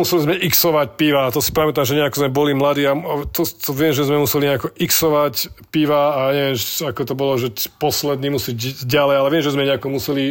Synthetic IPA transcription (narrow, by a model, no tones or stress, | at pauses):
musɛlizmɛʔiksɔʋac̚piʋat̪ɔsi̥pamɛt̪amʒɛɲɛakɔzmɛbɔlimlad̪iːat̪ɔt̪ɔʋɪɛmʒɛzmɛmusɛliɲɛakɔʔiksɔʋacpiʋaːjaɲɛʋɪɛmakɔt̪ɔbɔlɔʒɛpɔslɛd̪niːmusiɟɟalɛjalɛʋɪɛmʒɛzmɛɲɛakɔmusɛli